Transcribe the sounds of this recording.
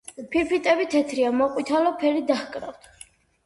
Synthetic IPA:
pʰiɾpʰit̪ʼɛbit̪ʰɛt̪ʰɾiamɔqʼwit̪ʰalɔpʰɛɾid̪aχkʼɾa̰ft̪ʰ

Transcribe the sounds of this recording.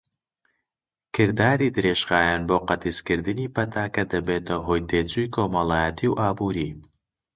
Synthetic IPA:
kʰɨɾd̪aːɾid̪ɨɾeːʒɣaːjaːnboːqɐt̪iskɨɾd̪ɨniːpɐt̪ʰaːkɐd̪ɐbeːt̪ʰɐɦoːjd̪eːt͡sujkʰoːmɐlˠaːjɐt̪ʰiwʔaːbuːɾi

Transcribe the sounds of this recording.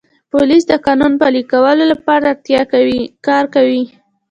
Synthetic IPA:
polis̬d̪əkɑnunpɑlikawəlolapɑɾaɾt̪jɑwkɑɾkawi

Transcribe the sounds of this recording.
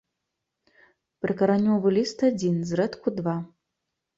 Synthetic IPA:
pɾɨkɐɾanʲːɔvɨlʲist̪ad͡zʲinzrɛt̪kud̪va

